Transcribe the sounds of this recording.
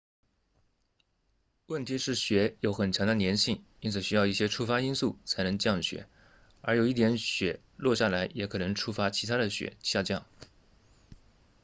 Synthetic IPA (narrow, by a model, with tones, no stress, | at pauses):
wə˥˩nt̪ʰi˧˥ʂɻ̩˥˩ɕɥɛ˧˥jo˧˥ʊxə˨˩nt͡ɕʰjɑ˧˥ŋd̪ə˧njɛ˧˥nɕi˥˩ŋi˥nt͡sʰɹ̩˨˩ɕy˥jɑ˥˧ʊi˥˩ɕjɛ˥ʈ͡ʂʰu˥fa˥i˥nsu˥˩t͡sʰa˧˥ɪnɤ˧˥ŋt͡ɕjɑ˥˩ŋɕɥɛ̰˧˥ | ə˞˧˥jo˨˩ʊi˥˩t̪jɛ˧˥nɕɥɛ˨˩ | lwɔ˥˧ɕja˥˩la˧˥ɪjɛ˧˥kʰɤ˨˩nɤ˧˥ŋʈ͡ʂʰu˥fa˥t͡ɕʰi˧˥t̪ʰa˥d̪ə˨ɕɥɛ̰˧˥ɕja˥˧t͡ɕjɑ˥˩ŋ